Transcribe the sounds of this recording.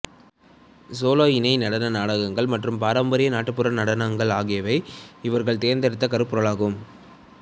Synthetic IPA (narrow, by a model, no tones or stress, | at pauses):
soːloːɪnɐɪnɐɽɐnɐnaːɽɐɣɐŋɡɐɭmɐʈrɯmpaːɾɐmbɐɾɪjɐnaːʈːɯpːɯɾɐnɐɽɐnaŋɡɐɭaːɣɪjɐʋɐɪɪʋɐɾɣɐɭt̪eːɾnd̪ɐɾɪt̪ːɐkɐɾɯpːɯɾɐɭaːɣɯm